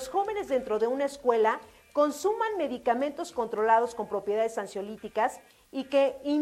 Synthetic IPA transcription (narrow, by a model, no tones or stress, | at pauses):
osxo̞βe̞ne̞zðe̞nt̪ɾo̞ðe̞unaeskwe̞la | ko̞nsumanme̞ðikamẽ̞nt̪o̞sko̞nt̪ɾo̞laðo̞sko̞mpɾo̞pje̞ðað̞e̞sansjo̞lit̪ikas | ike̞i